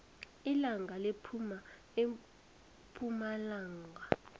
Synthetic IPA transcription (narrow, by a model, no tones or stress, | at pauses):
ilaŋɡʱalepʰuma | e | pʰumalaːŋɡʱa